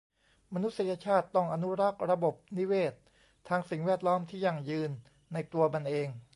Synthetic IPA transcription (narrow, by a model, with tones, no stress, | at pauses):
ma˧nu˦˥t̪̚sa˧ja˧t͡ɕʰaː˥˩t̪ːɔ˥˩ŋʔa˧nu˦˥ɾa˦˥˩k̚ɾa˧bo˨˩p̚ni˦˥weː˥˩t̪̚ʰː | aː˧ŋsi˨˩ŋwɛː˥˩t̪̚lɔː˦˥mt̪ʰiː˥˩jaː˨˩ŋjɯː˧nː | a˧jt̪u˧ɐba˧nʔeː˧ŋ